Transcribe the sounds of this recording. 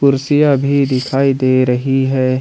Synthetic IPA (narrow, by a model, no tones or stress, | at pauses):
kʊɾsɪjabʱid̪ɪkʰaːid̪eːɾɐɦiɦɛː